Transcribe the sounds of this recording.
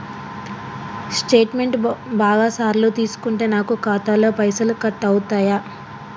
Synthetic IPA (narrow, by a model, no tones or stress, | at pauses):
sʈeːʈme̞ɳʈbaːɡaːsaːɾloːt̪iːsu̥kuɳʈe̞ːnaːkukaːt̪aːloːpɐjsɐlukɐt̪ːɐwut̪aːjaː